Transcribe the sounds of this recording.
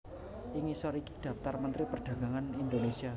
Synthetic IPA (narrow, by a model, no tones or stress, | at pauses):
ʔiŋisɔɾiki̥d̪̥ä̤p̚t̪armənt̪ɾipərɖ̪̥ä̤ɡ̥aŋanind̪onesia